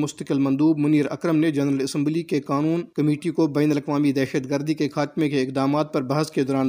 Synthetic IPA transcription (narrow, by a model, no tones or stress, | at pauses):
mʊst̪əkɪlmɐ̃nd̪uːbmʊniːɾɐ̰kɾəmned͡ʒɐnɾəlɐsɛ̃mblikekaːnuːnkɐmeːʈikobɛːnəlɐkʋaːmid̪ɛːʃəd̪ɡəɾd̪ikekʰaːt̪mẽkeɪkd̪aːmaːt̪̚pɐɾbɐɦəsked̪ɔːɾaːn